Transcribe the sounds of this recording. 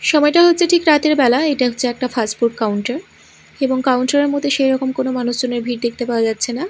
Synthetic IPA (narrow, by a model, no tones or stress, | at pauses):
ʃɔmɔeʈaɦotːɕʰeʈʰikɾat̪eɾbɛlaeʈaɦoɕʰeɛk̚ʈafasʈbuɾʈ̚kawɳʈaɾ | eboŋkawɳʈaɾeɾmot̪ʰeʃejɾɔkomkonomanuʃd͡ʑoneɾbʱiɾd̪ek̚ʰt̪epaoad͡ʑatːɕʰena